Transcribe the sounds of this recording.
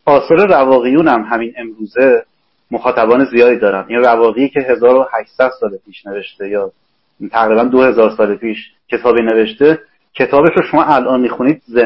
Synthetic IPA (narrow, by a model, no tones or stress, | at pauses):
ʔɒːsɒːɾe̞rævɒːɣijuːnæmɦæmine̞mɾuːze̞ | moxɒːt̪ʰæbɒːne̞zijɒːd̪iːd̪ɒːɾænd̪ʔinrævɒːɣijicʰe̞ɦe̞zɒːɾohæʃsæd̪̥sɒːlepʰiːʃne̞ve̞ʃt̪e̞jɒː | t̪ʰæɣɾiːbænd̪ohe̞zɒːɾsɒːlepʰiːʃ | cʰe̞t̪ʰɒːbine̞ve̞ʃt̪e̞ | cʰe̞t̪ʰɒːbe̞ʃɾoʃo̞mɒːʔælʔɒːnmiːxuniːd̪̚ze